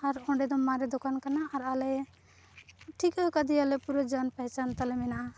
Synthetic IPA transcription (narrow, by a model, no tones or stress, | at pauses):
aɾɔ̃ɳɖed̪ɔmːãɾed̪okankanaʔaɾale | ʈʰikəkəd̪ialepuɾɔd͡ʒanpəɦɛt͡ʃant̪alemina